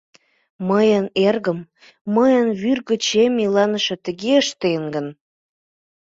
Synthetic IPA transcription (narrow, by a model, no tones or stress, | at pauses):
məjənerɣəm | məjənβyrɣə̆t͡ɕemilɑnə̆ʃə̆t̪əɣeəʃt̪enɡən